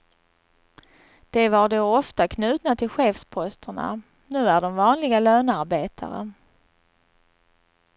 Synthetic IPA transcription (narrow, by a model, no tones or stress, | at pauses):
d̪̥ɛvaɖoːɔft̪akʰnʉ̟ːt̪nat̪ʰɪlɧeːfspʰɔst̪ʰəɳa̰ | nʉ̟ːæɖɔmvɑːnlɪɡaløːnaɾbeːt̪ʰa̰ɾə̰